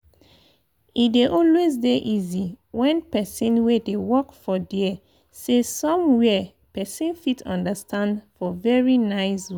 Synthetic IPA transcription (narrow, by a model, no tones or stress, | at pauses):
ideʔɔlwezdeʔiziwɛ̃npɛsĩnwedewɔkfɔdi | sesɔ̃mwɛ | pɛsĩnfitɔ̰̃ndəstʰãndfɔvɛɹinaɪsw